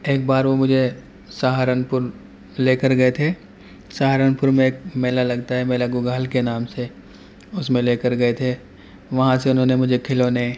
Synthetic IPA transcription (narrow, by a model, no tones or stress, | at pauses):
eːk̚baːɾʋomʊd͡ʒʱe | saːɦaːɾənpʊɾ | leːkəɾɡɐet̪ʰe | saːɦaːɾənpʊɾmẽːkmɛːlalɐɡt̪aɦɛmɛːlaɡʊɡaːlkenaːmse | ʊsmẽleːkəɾɡɐet̪ʰe | ʋɐɦãseʊnɦõːnemʊd͡ʒʱekʰɪlone